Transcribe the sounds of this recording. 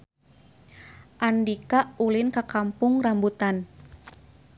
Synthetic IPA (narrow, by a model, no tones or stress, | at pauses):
ʔandikaʔulɪnkakampʊŋrambut̪an